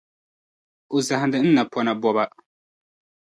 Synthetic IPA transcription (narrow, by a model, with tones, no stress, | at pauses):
ʊ˨za˨hɪ˨ndɨ˨n̩˦na˨pʰɔ˦na˨bɔ˦ba˦